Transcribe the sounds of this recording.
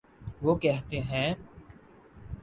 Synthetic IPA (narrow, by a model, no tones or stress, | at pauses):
ʋoːkɛɦt̪eɦɛ̃ː